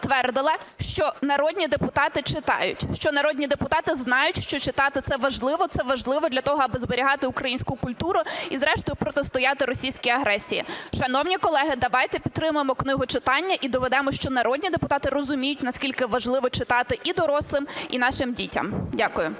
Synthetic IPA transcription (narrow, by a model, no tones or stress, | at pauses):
t̪ʋɛrd̪ɪlˠɐʃt͡ʃɔnɐɾɔdʲnʲid̪epʊt̪ɑt̪ɪt͡ʃɪt̪ɑ̰jʊ̰tʲʃt͡ʃɔnɐɾɔdʲnʲid̪epʊt̪ɑt̪ɪznɑjʊtʲʃt͡ʃɔt͡ʃɪt̪ɑt̪ɪt̪sɛʋɐʒlˠɪʋɔt̪sɛʋɐʒlˠɪʋɔd̪lʲɐt̪ɔɦɔɐbɪzbeɾʲiɦɑt̪ɪʊkɾɐjinʲsʲkʊkʊlʲt̪uɾʊizɾɛʃt̪ɔjʊpɾɔt̪est̪ʊjɑt̪ɪɾɔsʲijsʲkʲijɐɦɾɛsʲijḭʃɐnɔwnʲikɔlˠɛɦɪd̪ɐʋɑjt̪ɛpʲid̪̚t̪ɾɪmʊjemɔknɪɦʊt͡ʃɪt̪ɑnʲːɐʔid̪ɔʋɛd̪ɛmɔʃt͡ʃɔnɐɾɔdʲnʲid̪epʊt̪ɑt̪ɪrɔzʊmʲijʊtʲnɐsʲkʲilʲkɪʋɐʒlˠɪʋɔt͡ʃɪt̪ɑt̪ɪʔid̪ɔɾɔslˠɪmḭn̪ɑʃɪmdʲitʲɐ̰mdʲakʊjʊ